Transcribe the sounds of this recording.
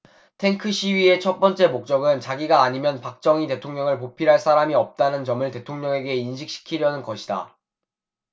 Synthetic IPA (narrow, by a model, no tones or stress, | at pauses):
tʰe̞ŋkʰɯɕ͈ʰiɥie̞t͡ɕʰʌt̚p͈ʌnt͡ɕ͈e̞mok̚t͡ɕ͈ʌɡɯnt͡ɕaɡiɡaːɲimjʌnpak̚t͡ɕ͈ʌŋite̞tʰoŋɲʌŋɯɭp̬opʰiɾɦaɭs͈ʰaɾamiʌp̚t͈anɯnt͡ɕʌmɯɭte̞tʰoŋɲʌŋe̞ɡe̞inɕʰik̚ɕ͈i̥kʰiɾjʌnɯnɡʌɕʰida̰